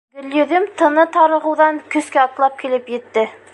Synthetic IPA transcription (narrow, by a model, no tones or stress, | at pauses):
bɘ̆ljɵ̆ðɘmt̪ʰɤ̆nɤt̪ɑɾɤ̆ʁɤ̆wðɑŋkɵ̆skæɑt̪lˠɑp̚kilɘpjɘ̆t̪ːɘ